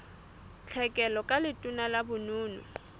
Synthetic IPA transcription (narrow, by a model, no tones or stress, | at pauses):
t͡ɬʰɛkʼɛlɔkʼalɪtʼʊnalabʊnʊːnʊ̰